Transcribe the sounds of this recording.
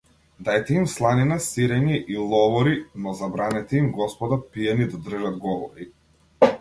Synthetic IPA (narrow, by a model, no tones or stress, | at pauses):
d̪ajt̪ɛimslˠaninasiɾɛɲiʔilˠɔvɔɾinɔzabɾanɛt̪ɛimɡɔspɔd̪apiɛnid̪ad̪r̩ʒad̪ɡɔvɔɾi